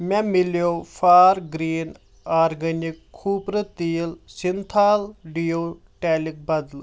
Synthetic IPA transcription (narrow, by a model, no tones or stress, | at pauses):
mɛ̃ːmɪljoːpʰaːɾɡɾiːn | aːɾɡənɪkʰːuːpɾət̪iːlsɪnt̪ʰaːlɖiːoː | ʈɛːlɪk̚bɐd̪l